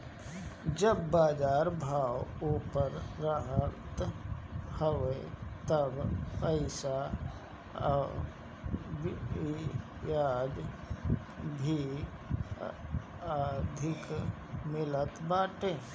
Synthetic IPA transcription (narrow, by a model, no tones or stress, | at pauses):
d͡ʒəbːaːd͡ʒaːɾbʱaːwuːpəɾɾaɦət̪ | həʋet̪əbpəɪsa | b | jaːd̪ | bʱi | aːd̪ʱɪk | mɪlət̪baːʈẽː